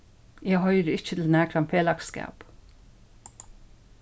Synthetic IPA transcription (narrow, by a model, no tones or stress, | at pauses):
jæhœʏɾəɪçət̪l̩næːkʰɾɑmfʰeːlɑkskæ̰ːp